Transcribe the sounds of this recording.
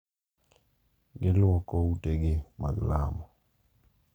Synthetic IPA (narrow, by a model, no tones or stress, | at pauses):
ɡɪlwɔkɔuteɡɪma̰ɡla̰mɔ